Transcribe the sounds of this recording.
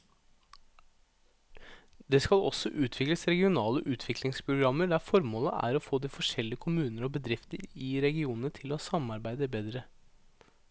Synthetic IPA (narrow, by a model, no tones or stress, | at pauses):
d̪eːskɑlɔ̰sɔʔʉːt̪ʰʋɪkləsɾɛɡɪʊnɑːləʔʉːt̪ʰʋɪklɪŋspʰɾʊɡɾɑmːəɖæfɔɾmoːləʔæ̰ɾɔfoːd̪iːfɔʂɛlːɪəkʰʊmʉːnəɾɔbəd̪ɾɪft̪əɾɪɾɛɡɪuːnənət̪ʰɪlɔsɑmɑɾbæɪd̪əbeːd̪ɾə